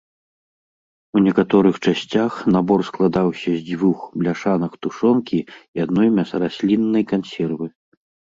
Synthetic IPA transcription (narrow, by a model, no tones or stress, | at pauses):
unʲɛkat̪ɔɾɨxt͡ʂasʲt͡sʲaxnabɔrsklˠad̪awsʲɐzʲd͡zʲvuxblʲaʂanɐkt̪uʂɔnkʲiiad̪nɔjmʲasrasʲlʲinːɐjkansʲɛrvɨ